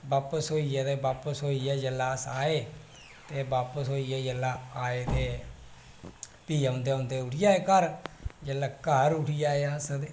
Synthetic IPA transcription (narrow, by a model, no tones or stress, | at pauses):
baːpəsoːiɛt̪eːbaːpəsoːiːɛːd͡ʒəlːaːsaːeː | t̪eːbaːpəsoːiːɛːd͡ʒəlːaːaːeːt̪eː | piːaʊ̃nd̪eːʊnd̪eːʊʈʰɪjaːeːkəɾd͡ʒəlːaːkəɾʊʈʰɪjaːeaːsəd̪eː